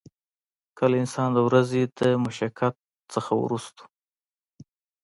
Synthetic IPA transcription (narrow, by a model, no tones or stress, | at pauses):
kəlɪnsɑnd̪əwɾazed̪əmʊʃakat̪̚ | t͡səxaw̰ɾust̪o̥u̥